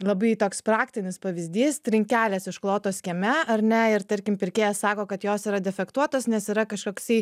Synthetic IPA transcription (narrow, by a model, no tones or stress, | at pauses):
lˠɐbɐɪt̪oːkspɾɑːkt̪ʲɪnʲɪspɐʋʲɪzʲd̪ʲiːst̪ʲɾʲɪŋʲkʲæːlʲɛsɪʃklˠoːt̪oːsʲkʲɛmʲɛɐɾʲnʲɛɪɾt̪ɐɾʲkʲɪmpʲɪɾʲkʲeːjɛssɑːkoːkɐt̪joːsiɾɐd̪ʲɛfʲɛkt̪uɔt̪oːsnʲɛsiɾɐkɐʃkoːksɐɪ